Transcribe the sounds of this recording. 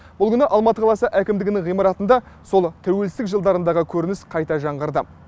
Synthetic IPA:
b̥ʊlˠkʲʏnɪʔɑlˠmɑt̪əqʰɑlˠɑsəʔækʲɪmd̪ɪɡʲɪnɪŋʁijmɑɾɑt̪ənd̪ɑ | so̞lˠt̪ʰæwe̞lsɪt̪ɪkʒəlˠd̪ɑɾənd̪ɑʁəkʲʰɵɾɪnɪsqʰɑjt̪ɑʒɑɴʁəɾd̪ə

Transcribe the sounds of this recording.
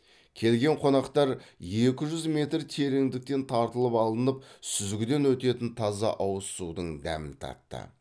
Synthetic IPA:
kʲʰe̞lɡʲe̞ɴqʰo̞nɑqt̪ɑɾje̞kʲɪʒʏzme̞t̪ɾt̪ʰeɾeŋd̪ɪk̚t̪e̞nt̪ʰɑɾt̪əlˠəpɑlˠənəp̚sʏzɡʲɪd̪e̞nwɵt̪e̞t̪ɪnt̪ʰɑzɑ̰ʔɑwəsud̪əɴd̪æ̰mɪ̰nt̪ʰɑ̰t̪ːə̰

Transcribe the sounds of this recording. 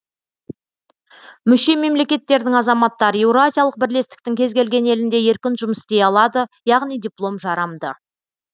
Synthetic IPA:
mʏʃe̞me̞mle̞kʲe̞t̪ːe̞ɾd̪ɪŋɑzɑmɑt̪ːɑɾəe̞wɾoazʲijalˠəq̚bɪɾle̞st̪ɪ̥kt̪ɪŋkʲʰe̞zɡʲe̞lɡʲe̞ne̞lɪnd̪e̞je̞ɾkʲɪnʒʊməst̪e̞jɑlˠɑd̪əjɑʁnijd̪ʲijplˠo̞mʒɑɾɑmd̪ə̰

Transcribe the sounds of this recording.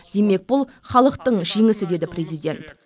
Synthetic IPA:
d̪̥e̞me̞k̚bʊlˠ | χɑlˠəqt̪əɴʒiŋɪsɪd̪e̞d̪ɪpɾʲe̞zijd̪ʲe̞nt̪

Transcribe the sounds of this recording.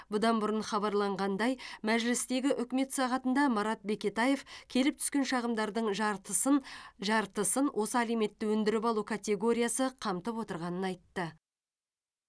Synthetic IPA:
bʊd̪ɑnbʊɾənχɑbɑɾlˠɑɴʁɑnd̪ɑjmæʒlɪst̪e̞ɡʲɪʔʏkʲme̞t̪sɑʁɑt̪ənd̪ɑmɑɾɑt̪̚be̞kʲe̞t̪aje̞fkʲʰe̞lɪp̚t̪ʰʏ̥skʲe̞nʃɑʁəmd̪ɑɾd̪əɴ | ʒɑɾt̪əsənwʔo̞səæleme̞t̪ːɪwɵnd̪ɪɾɪpɑlˠukʰat̪ʲe̞ɡo̞ɾʲijasəqʰɑmt̪əpwo̞t̪əɾʁɑnənɑjt̪ːə

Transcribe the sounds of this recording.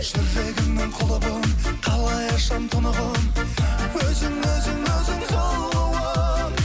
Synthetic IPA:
ʃɪɾʒe̞ɡʲɪŋnɪŋqʰolˠəbɑnqʰɑlˠɑjɑʃɑmt̪ʰonɑʁɑnwɵzɪŋɵzɪŋwɵzɪŋsoɾəɑ

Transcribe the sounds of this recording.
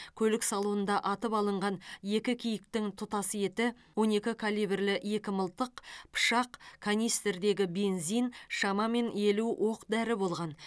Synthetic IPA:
kʲʰɵlɪksɑlˠuwənd̪ɑʔɑt̪əpɑlˠəɴʁɑnje̞kʲɪkʲʰijɪk̚t̪ɪŋt̪ʰʊt̪ɑsəje̞t̪ɪ | wo̞ne̞kʲɪkʰalʲˠijbrlɪe̞kʲɪməlˠt̪əqpʰʊ̥ʃɑqkʰanʲijst̪eɾd̪e̞ɡʲɪbe̞nzijnʃɑmɑme̞ne̞luwʔo̞qd̪æɾɪbo̞lˠʁɑn

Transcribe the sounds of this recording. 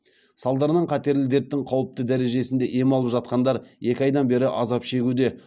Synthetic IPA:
sɑlˠd̪ɑɾənɑɴqʰɑt̪e̞ɾlɪd̪e̞t̪ɪŋqʰɑwəp̚t̪əd̪æɾe̞ʒe̞sɪnd̪e̞ʔe̞mɑlˠəpʒɑt̪̚qɑnd̪ɑɾje̞kʲɪɑjd̪ɑnbe̞ɾɪʔɑzɑpʃe̞ɡʲud̪e̞

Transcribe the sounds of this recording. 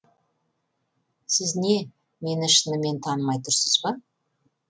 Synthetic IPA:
sɪzne̞ | me̞nɪʃənəme̞nt̪ʰɑnəmɑjt̪ʊɾsəzbɑ

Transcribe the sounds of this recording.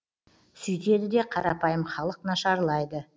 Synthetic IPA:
sʏjt̪e̞d̪ɪd̪e̞qʰɑɾɑpɑjəmχɑlˠəqnɑʃɑɾlˠɑjd̪ə

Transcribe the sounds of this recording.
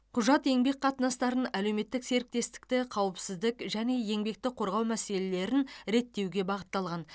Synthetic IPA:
qʰʊʒɑt̪e̞ŋbe̞kqʰɑt̪ənɑst̪ɑɾənæle̞wme̞t̪ːɪkse̞ɾɪk̚t̪e̞st̪ɪ̥kt̪ɪqʰɑwəpsɪzd̪ɪkʒæne̞je̞ŋbe̞k̚t̪ɪqʰo̞ɾʁɑwmæse̞le̞le̞ɾɪnɾe̞t̪ːe̞wɡʲe̞bɑʁət̪ːɑlˠʁɑn

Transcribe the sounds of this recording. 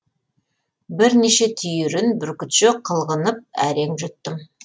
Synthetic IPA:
bɪɾneʃe̞t̪ʰʏjɪɾɪnbɪɾkʲʏt̪ʃɪqʰəlˠʁənəp̚æ̰ɾe̞ŋʒʏt̪ːɪm

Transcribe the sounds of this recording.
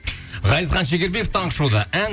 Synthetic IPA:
ʁɑjəzχɑnʃeɡʲe̞ɾbe̞kəft̪ʰɑɴqəʃud̪əæŋ

